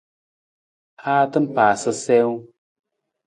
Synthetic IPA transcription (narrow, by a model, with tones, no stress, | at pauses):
haː˦tɨ˦m̩˦paː˨sɨ˦sɛ˦w